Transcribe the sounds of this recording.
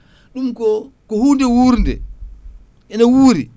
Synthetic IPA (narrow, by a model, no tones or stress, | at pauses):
ɗumkɔkɔhundɛwuɾndɛ̰ | ʔɛnawuːɾi